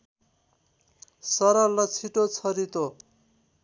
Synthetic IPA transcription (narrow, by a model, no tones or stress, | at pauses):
sʌɾalːʌt͡sʰiʈot͡sʰʌɾit̪o